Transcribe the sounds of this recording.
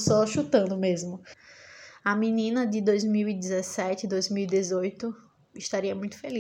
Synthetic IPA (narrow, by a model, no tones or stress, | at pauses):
sɔʃut̪ɐ̃nd̪ʊmezmʊ | ɐminĩnɐd͡ʒɪd̪ojzmiwid̪ɪzesɛt͡ʃɪd̪ojzmiwid̪ezojt̪ʊ | ɪʃt̪aɾiɐmũj̃t̪ʊ̥feli